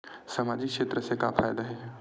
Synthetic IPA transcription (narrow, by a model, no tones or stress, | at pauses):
sɐmaːd͡ʒikʃeːt̪ɾəsekafʰa̰ːjd̪aɦɛː